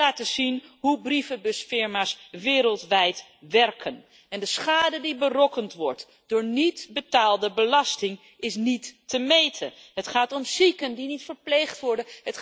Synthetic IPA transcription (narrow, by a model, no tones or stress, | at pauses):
aːtəzinɦubrifəbɵsfɪɹmaːsʋɪːɾəlˠtʋɛjtʋɛɹkʰən | ɛndəsχaːdədibərɔkəntʋɔɹt | d̥ʊːɹnitbətaːlˠdəbəlɑstɪŋ | ɪsnitːəmejtʰənɦətχaːtɔmzikəndinitfəɹplejχtʋɔɹdənɦət